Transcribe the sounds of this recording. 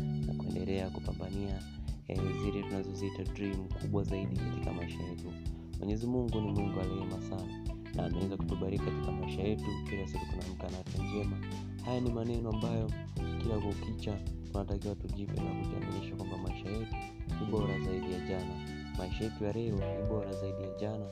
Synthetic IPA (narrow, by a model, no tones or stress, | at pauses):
na̰kuɛ̰ndɛlɛakupambania | ɛziɾɛtunazɔziitadɾim̩kʰuɓwazaiɗikatikamaiʃajɛtu | mwʔɛ̰ɲɛzimuŋɡunimwundualɛɛmasana | nʔa̰ːmɛwɛzaku̥tuɓaɾikkati̥kamaiʃajɛtukiɾasikutunam̩kanatɛzɛma | hajanimanɛnɔambajɔ | kiɾakukit͡ʃatunatakiwatuʄipɛ̰nakuka̰maniʃakwambamaiʃajɛtu | kuɓɔɾazaiɗijaʄana | maiʃajɛtujaɾɛɾɔniɓɔɾazaiɗijaʄana